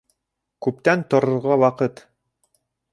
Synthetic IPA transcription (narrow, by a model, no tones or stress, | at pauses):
kʉp̚t̪ænt̪ŏɾŏɾʁɑwɑqɤt̪